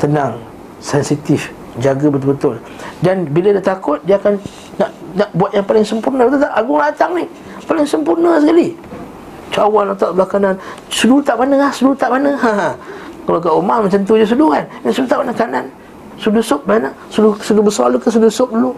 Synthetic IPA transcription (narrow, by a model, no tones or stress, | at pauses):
t̪ənaŋ | sɛnsit̪if | d͡ʒaɡabət̪̬ʊlbət̪ʊl | danbilədat̪akʊt̪̚diakan | naʔnaʔbuat̪̚jaŋpalɪŋsəmpurnəbat̪ut̪aʔaɡʊŋlat̪aŋni | palɪŋsəmpurnəsəkali | t͡ʃawanlat̪aʔbəlakanan | sudut̪aʔmanəahsədut̪aʔmanəɦaɦãkalak̬aʔumamat͡ʃant̪udas̬uduɣannasudut̪aʔmanəkanan | sudusʊp̚banə | sudusudubəsɔrlukəs̬udusʊp̚lu